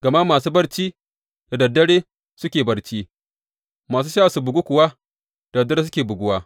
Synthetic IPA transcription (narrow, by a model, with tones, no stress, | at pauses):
ɡ̥ɐ˨ma˦maː˨suː˦bɐ˦rt͡ʃiː˦ | d̥a˨dɐ˨dːɐ˦ɽeː˦ | sʊ˦kʲeː˨bɐ˦ɽt͡ʃiː˦ | maː˨s̬uː˦ʃaː˦˨su˨bʊ˨ɡu˦kʷʊ˨wa˦ | d̥dɐ˨dːɐ˦ɾe˦s̬ʊ˦kʲeː˨bʊ˨ɡʷʊ˦waː˦